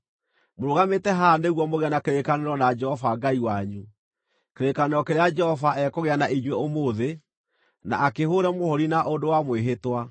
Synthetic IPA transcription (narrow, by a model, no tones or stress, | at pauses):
moɾoɣametɛɦaːndeɣwɔmoɣeanakeɾekaneɾɔnad͡ʒɛhɔvaŋɡaiwaɲu | keɾekaneɾɔkeɾead͡ʒɛhɔvaʔɛkoɣeanaiɲweomoðe | na̰akehoːɾɛmohɔɾinaʔondowamweɦetwa